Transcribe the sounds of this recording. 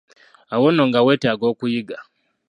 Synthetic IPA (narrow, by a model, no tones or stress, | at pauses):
awɔnoŋɡaweteaɡɔkujiɡa